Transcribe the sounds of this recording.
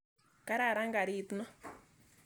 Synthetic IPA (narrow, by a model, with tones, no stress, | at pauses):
ka˦ɾa˨ɾa˦ŋɡa˨ɾi˦˨t̪u˦nɔ˦